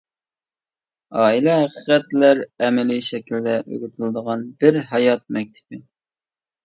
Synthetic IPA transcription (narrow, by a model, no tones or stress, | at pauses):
ɑːilɛɦæqəqɛt̪læɾɛmɛliʃɛkʲʰild̪ɛʔø̰ɡʲɪt̪ʰɪlɨd̪əʁɑnbɪɾɦɑjɑt̪̚mɛk̚ʲt̪ʰɪ̥pɪ